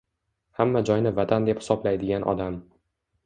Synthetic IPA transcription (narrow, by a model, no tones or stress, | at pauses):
hamːad͡ʒɒjnɪvat̪ʰand̪e̞phɪ̥sɒblajd̪ɪɡʲanʔɒ̰d̪am